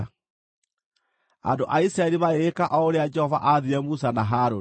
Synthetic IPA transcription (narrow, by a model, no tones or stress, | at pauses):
a̰ndoʔaisɾaeɾimaeekaʔɔoɾead͡ʒɛhɔva̰ʔaðiɾɛmusanaɦaɾo